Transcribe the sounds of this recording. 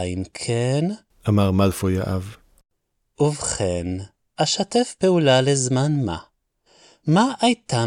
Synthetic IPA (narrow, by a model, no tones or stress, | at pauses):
inkʰen | ʔamaʁmalfojaʔav | ʔuvχen | ʔaʃatefpeulalezmanma̰ | maʔajt̪a